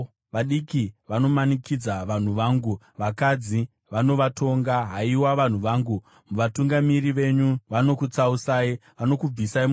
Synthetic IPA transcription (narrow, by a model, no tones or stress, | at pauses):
ʋaɗikiʋano̞manikid͡zaʋan̤uʋaːŋɡu | ʋakad͡zi | ʋano̞ʋatʰo̞ŋɡaɦaiwaʋan̤uʋaːŋɡu | muʋatuŋɡamiriʋe̞ɲuʋano̞kut͡sausaːiʋano̞kub͡visaim